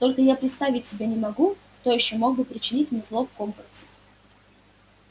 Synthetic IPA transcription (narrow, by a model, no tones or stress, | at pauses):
t̪o̞lʲkəjapɾʲɪt̪st̪avʲɪtʲsʲɪbʲenʲɪmɐɡukt̪o̞jɪɕːomo̞ɡ̚bɨpɾʲɪt͡ɕɪnʲitʲmnʲeslˠofkompərt̪sɪ̥